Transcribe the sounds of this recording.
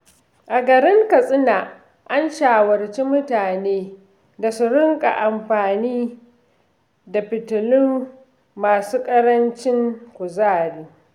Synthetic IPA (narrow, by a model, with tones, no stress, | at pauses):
ʔa˨ɡɐ˨ɾɪ˦ŋkɐ˨sʼɪ˦naː˨ | ʔa˦nʃaː˨wɐ˨rt͡ʃi˦mʊ˦taː˨neː˦ | da˨su˦ɾɪ˦ŋkʼa̰˨ʔa˨mɸaː˨niː˦ | da˨ɸɪ˨tʊ˨lɪ˦mː | aː˨suː˦kʼɐ˦ɾɐ˦nt͡ʃɪ˦ŋkʷʊ˨zaː˦˨ɾiː˦